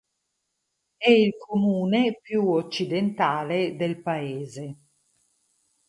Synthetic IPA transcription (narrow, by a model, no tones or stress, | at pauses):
ɛilkʰomuːnepjuot͡ʃːid̪ent̪aːled̪elpaeːze